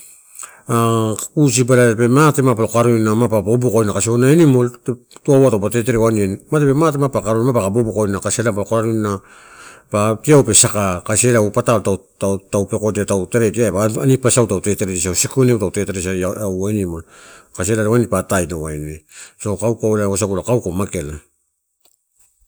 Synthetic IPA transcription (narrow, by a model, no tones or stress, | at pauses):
akus̬ibalape̞matemapalokaɾujnamapabobukojnakasionaenimo̞lte | tuawatawpate̞te̞ɾewanienmatepe̞matemapakaɾunmapakabobukojnakaselapalokoɾaɾujna | patiawpe̞sakakase̞lawpataltatatawpe̞ko̞tatawteɾetiapaanipasawtawte̞teɾetisiawsikunewtawte̞teɾesaawaenimo̞lkasielaɾewanipatajtowajnesakawkawleasakulakawkomake̞la